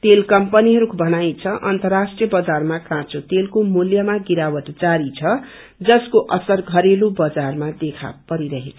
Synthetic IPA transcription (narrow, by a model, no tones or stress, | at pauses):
t̪elkʌmpʌniɦʌɾukʰbʱʌnajt͡sʰʌʔʌnt̪ʌrasʈrijʌbʌd͡zarmakãt͡sot̪elkomuljʌmaɡiɾawʌt̪d͡zaɾit͡sʰʌ | d͡zʌskoʔʌsʌrɡʱʌɾelubʌd͡zarmad̪ekʰa̰pʌɾiɾʌɦet͡sʰʌ